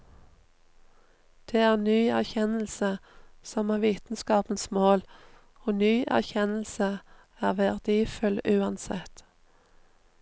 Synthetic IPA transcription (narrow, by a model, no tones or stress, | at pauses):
d̪̥eːæːʁnyːæʁçɛnl̩səsɔmæːʋiːt̪n̩skɑːpənsmoːl | oːnyːʔæ̰ʁçɛnl̩sə | æːʁʋæʁd̪iːfʉlʉːɑnsɛt̪